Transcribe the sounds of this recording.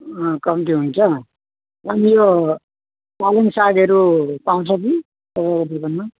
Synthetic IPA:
ʌkʌmiʈiɦunt͡sʰʌ | ʌnijo | palensaɡʌɾupaũt͡sʰʌki | sʌbakʌd̪ibʌnma

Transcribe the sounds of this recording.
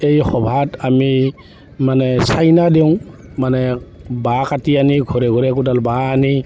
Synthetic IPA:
ejxɔbʱatami | manɛsajnadew̃manɛbakatianiɡʱɔɾɛɡʱɔɾɛk̬udalbaːni

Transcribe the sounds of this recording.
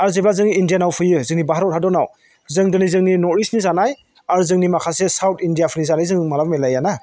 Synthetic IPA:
aɾzeblazɯŋindijanawpʰɯjɯzɯŋnibaɦaɾɔtʰadɔnaw | zɯŋdɯnizɯŋninɔɾisnizanaj | aɾzɯŋnimakʰasesawtʰindijapʰɯnizanajzɯŋmalabmelajana

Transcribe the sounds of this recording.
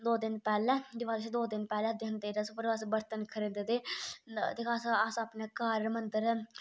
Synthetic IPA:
d̪oːd̪ɪnpɛːlɛːd̪ɪʋaːd̪t͡ʃʰːd̪oːd̪ɪnpɛːlɛːd̪ɪnd̪eːɾəsʊpəɾaːs̬bəɾt̪ənkʰəɾẽnd̪ed̪eːt̪eːkʰasasaːpnɛːkaːɾmənd̪əɾ

